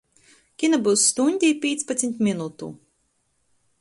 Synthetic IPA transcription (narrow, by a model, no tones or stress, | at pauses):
kʲinabuwsːt̪unʲd̪ʲiːpʲiːt̪spat̪sʲmʲt̪ʲmʲinut̪ṵ